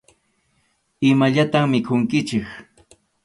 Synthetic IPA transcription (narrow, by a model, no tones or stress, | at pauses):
ɪmaʎat̪aŋmɪkʰʊŋkɪt͡ʃɪk